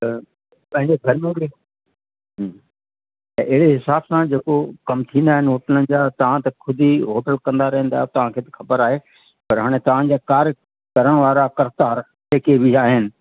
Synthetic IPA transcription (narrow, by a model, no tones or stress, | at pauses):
pɐ̃ɦɪ̃ɲd͡ʑeɡʱɐɾmẽɡe | ɛ̃ʔɪɦɪɽeɦɪsaːbsãd͡ʑeːkokɐmt̪ʰĩːnd̪aːɦɪnɪɦoːʈələnɪ̆d͡ʑaːt̪ɐʋ̤ãt̪ɐkʰʊd̪ʱiɦoːʈəlkɐ̃nd̪aɾɐ̃ɦə̃n̆d̪aːjot̪ɐʋ̤ãkʰeːt̪ɪ̥xʰɐbəɾaːɦeː | pɐɾɦaːɽ̃ẽt̪ɐʋ̤ãd͡ʑaːkaːɾ | kɐɾəɽ̃ʋaːɾakɐɾt̪aːɾ | seːkebʱiaːɦɪnɪ̆